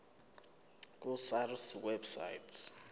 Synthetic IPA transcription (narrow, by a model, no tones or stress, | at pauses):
k̬ʼusarswɛbsa̰jts